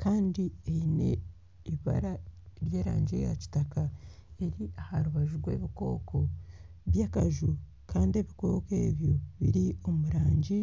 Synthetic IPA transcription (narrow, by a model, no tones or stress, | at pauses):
kʰaːndieine̞̰ | iiβa̰ɾaɾje̞ːɾa̰ːɲɟe̞̰ja̰ci̥taka | e̞ɾiʔahaɾuβaʒuɡwe̞̰ːβiko̞ːko̞βjaːkaʒu | kaːndie̞βiko̞ːke̞ːβjo̞βḭɾio̞muɾaːɲɟi